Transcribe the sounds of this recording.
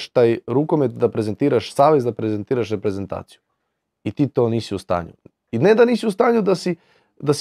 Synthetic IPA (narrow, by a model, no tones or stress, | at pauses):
ʃt̪aːjɾukomet̪̚d̪apɾe̞ze̞nt̪iːɾaʃsaːʋe̞zd̪apɾezent̪iːɾaʃ̬ɾe̞pɾe̞ze̞nt̪a̰ːt̪siju | it̪iːt̪oːniːsiust̪a̰ːɲṵ | ined̪aniːsiust̪aːɲud̪asi | d̪as